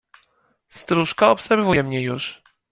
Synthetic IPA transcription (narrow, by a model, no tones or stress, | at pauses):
st̪ɾuʂkaɔpsɛɾvujɛmɲɛjṵʂ